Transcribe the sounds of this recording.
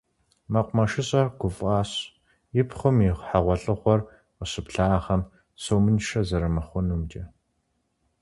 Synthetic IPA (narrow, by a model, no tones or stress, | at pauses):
mɐqʷmɐʃɪɕʼɐɡ̥ʷʊfʼaːɕ | jɪpχʷʊmiχʷħaʁʷɔɬʼɨχʷɔr | qəɕɨpɬaːχɐm | sowmɨnʃɐzɐɾɐmɐχʷʊnumd͡ʒʼɐ